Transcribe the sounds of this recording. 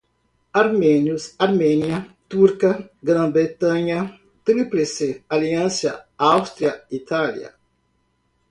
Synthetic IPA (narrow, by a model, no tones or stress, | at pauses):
aɾmɛnjusaɾmɛnjɐt̪uɾkɐɡɾɐ̃bɾet̪ãɲɐ | t̪ɾipɾesealiɐ̃nsjɐawst̪ɾiɐit̪ʰaljɐ̰